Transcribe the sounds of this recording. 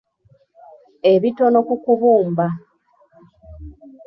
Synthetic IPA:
e̞βito̞no̞kukuβuːmba

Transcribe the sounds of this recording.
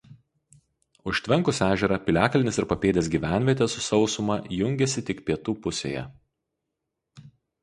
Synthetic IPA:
ʊʃʲt̪ʲʋʲɛŋˑkʊsʲæːʒʲɛɾɑpʲɪlʲæːkɐlʲɪnʲɪsɪɾpɐpʲeːd̪ʲeːs̬ɡʲiːʋʲæˑnʲʋʲiɛt̪ʲɛsʊsɒʊsʊmɐjʊŋʲɡʲɛsʲɪt̪ʲɪkpʲiɛt̪uːpʊsʲḛːjɛ̰

